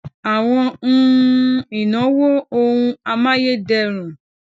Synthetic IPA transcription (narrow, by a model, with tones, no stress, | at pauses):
a˨w̃ɔ̃˧ñ̩˦ | i˨nɔ̃˨˦wo˦o˧ũ˧a˧mã˦je˦dɛ˧ɾ̃ũ˨